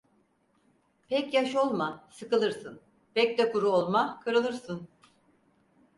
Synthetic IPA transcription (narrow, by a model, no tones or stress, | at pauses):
pʰɛcjaʃo̞lˠmasɯkɯlˠɯɾsɯn | pɛcd̪ɛkuɾuolˠmakʰɯɾɯlˠɯɾsɯn